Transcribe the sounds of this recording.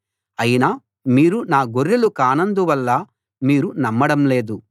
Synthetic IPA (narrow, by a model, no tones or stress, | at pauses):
ɐjinaː | miːɾunaːɡoɾːilukaːnɐnd̪uʋɐlːɐ | miːɾunɐmːɐɽɐmle̞ːd̪u